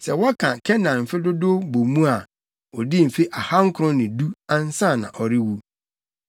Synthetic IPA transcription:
sɛ˨wɔ˦kʰã˨kʰɛ˦nã˨m̩˨fɪ˦dʊ˦do˦bo˨mũ˦a˨ | ɔ˨dɪ˦˨m̩˨fe˦ʔa˨ha˦ŋ̩˦kʰʊ˨ɾʊ̃˦nɪ̃˨du˦ã˦n̩˦sã˦˨nã̰˨ʔɔ˨ɾɪ˦wu˦

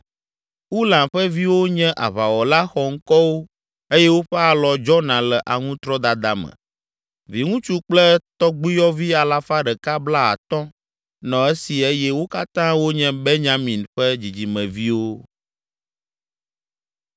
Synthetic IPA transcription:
u˦lã˨nɸɛ˦vi˦wo˦ɲɛ̃˦ʔa̰˨βa˨wɔ˨la˦xɔ˨ŋ̩˦kɔ˦wo˦ | e˦jɛ˦wo˦ɸɛ˦a˨lɔ˨d͡ʒɔ˦nã˨lɛ˨ʔa˨ŋũ˦t̪ɾɔ˦d̪a˨d̪a˨mə̰̃˨ | vi˨ŋũ˦t͡ʃu˦k͡plɛ˦t̪ɔ˦ɡ͡bi˦jɔ˦vi˦a˨la˨fa˦ɖɛ˨ka˦bla˦a̰˨t̪ɔ̃˦ | nɔ̃˨e˦si˨e˦jɛ˦wo˦ka˦t̪ã˦wo˦ɲɛ̃˦be˦ɲã˦mĩ˨nɸɛ˦d͡ʑi˨d͡ʑi˨mɛ̃˨vi˦wo˦

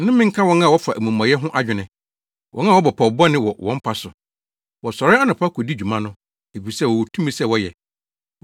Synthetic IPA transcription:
nʊ̃˦mɪ̃˦ŋ̩˦kʰa˦wɔ̃˦nã˦˨wɔ˦fa˨ʔæ˨mũ˨m˨ã˨jɛ˦ɦʊ̃˦ʔa˦d͡ʑᶣɪ˨nɪ̃˨ | wʔɔ̰̃˦nã˦˨wɔ˦bɔ˨pʰɔ˨bɔ˦nɪ̃˦wɔ˨wɔ̃˦m̩˦pʰa˨sʊ˨ | wɔ˨sɔ˨ɾɪ˦a˦nɪ̃˨pʰa˦kʰɔ˨di˦d͡ʑᶣu˨mã˦nʊ̃˦ | e˨fi˨sɛ˦wɔ˨wo˨tʰũ˦mĩ˦sɛ˦˨wɔ˦jɛ˨

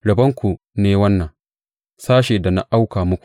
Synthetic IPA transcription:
ɽɐ˨bɐ˦ŋkʷu˨ | neː˦wɐ˦nːɐ˨ŋ | saː˦ʃeː˨da˨na˨ʔa˦wkaː˨mʊ˦kʷu̥˨

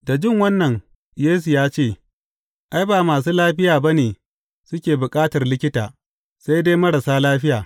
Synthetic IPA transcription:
da˨d͡ʒɪ˦˨ŋwɐ˦nːɐ˨ŋ | jeː˦s̬u˨jaː˦t͡ʃeː˦˨ | ʔa˦jbaː˨maː˨s̬uː˦laː˦ɸɪ˦jaː˨ba˦neː˨ | sʊ˦kʲeː˨bʊ˨kʼaː˦tɐ˨rlɪ˦kʲɪ˦taː˨ | sa˦jdeː˦mɐ˦ɽa˨saː˦laː˦ɸɪ˦jaː˨

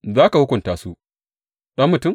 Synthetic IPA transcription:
zaː˦ka˨hʊ˦kʷʊ˨ntaː˨su˦ | ɗɐ˦mːʊ˨tʊ˦˨m

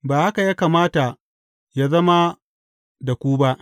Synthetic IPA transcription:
baː˨ha˦ka˨jaː˦kaː˨maː˦ta˨ | ja˦zɐ˦ma˦ | da˨kʷuː˦ba˦ʔ

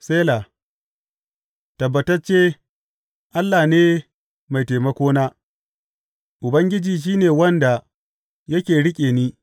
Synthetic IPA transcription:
seː˦la˨ | tɐ˨bːɐ˨tɐ˦rt͡ʃeː˦ | ʔa˦lːaː˨neː˦ | ma˨jteː˨mɐ˦kʷoː˦naː˦ | ʔʊ˨bɐ˦ŋɡʲɪ˦d͡ʒiː˨ʃ̬iː˦neː˨wɐ˦nda˨ | jɐ˦kʲeː˨ɽɪ˦kʲʼeː˨niː˦

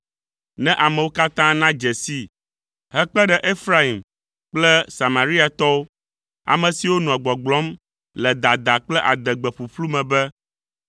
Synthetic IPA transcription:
nɛ̃˦ʔa˨mɛ̃˨wo˦ka˦t̪ã˦nã˦d͡ʒɛ˨si˦ | ɦɛ˦k͡pɛ˦ɖɛ˨ʔe˦fɾa˦i˨m | k͡plɛ˦sa˨ma˨ɾi˦a˨t̪ɔ˦wo˦ | a̰˨mɛ̃˨si˨wo˦nɔ̃˨ɛ˨ɡ͡bɔ˨ɡ͡blɔ˦m | lɛ˨d̪a˨d̪a˨k͡plɛ˦ʔa˨d̪ɛ˨ɡ͡bɛ˨ɸu˨ɸlu˦mɛ̃˨bɛ˦

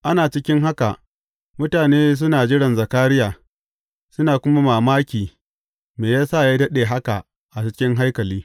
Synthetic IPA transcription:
ʔa˦naː˨t͡ʃɪ˦kʲɪ˦ŋɦa˦ka̰˨ʔ | mʊ˦taː˨neː˦s̬ʊ˦naː˨d͡ʒɪ˦ɽɐ˨nzɐ˨kaː˦ɾɪ˦jaː˨ | sʊ˦naː˨kʷʊ˦ma˦maː˨maː˦kʲiː˨ | meː˨jaː˦sa˦˨jaː˦dɐ˦ɗeː˨ɦa˦ka˨ | ʔa˨t͡ʃɪ˦kʲɪ˦ŋɦa˦jkɐ˨liː˦

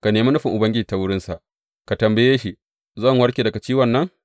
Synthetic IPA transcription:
ka˨neː˨ma˦nʊ˦ɸɪ˨ŋʔʊ˨bɐ˦ŋɡʲɪ˦d͡ʒiː˨ta˦wʊ˦ɽɪ˦nsa˨ʔ | ka˨tɐ˨mbɐ˨jeː˦ʃi˨ | zɐ˦˨ŋwɐ˦ɾkʲeː˨dɐ˨ka˨t͡ʃiː˦wɐ˨nːɐ˦ŋ

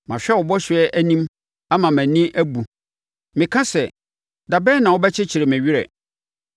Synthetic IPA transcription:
mã˨ɕᶣɛ˦˨wɔ˨bɔ˦ɕɪ˨ɛ˦ʔæ˦nĩ˦m | a˦mã˨mæ̃˨nĩ˦ʔæ˦bu˨ | mɪ̃˨kʰã˦sɛ˨ | da˨bɛ˦nã˨wɔ˦bɛ˦t͡ɕʰɪ˦t͡ɕʰi˨ɾe˨mæ̃˨ɥi˦ɾɛ̰˨

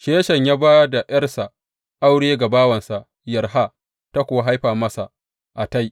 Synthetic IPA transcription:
ʃeː˦ʃɐ˨ɲjaː˦baː˦da˨j̰ɐ˦rsa˨ | ʔa˦wɽeː˦ɡa˨baː˦wɐ˨nsa˨ʔ | jɐ˨rɦa˦ | ta˦kʷʊ˨wa˦ɦa˦jɸaː˨mɐ˦sa˨ʔ | ʔa˨ta˦j

